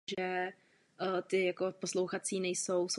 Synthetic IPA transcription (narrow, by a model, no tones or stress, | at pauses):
ʒɛ | t̪ɪjakoposlo̞wxat͡siːnɛjsowso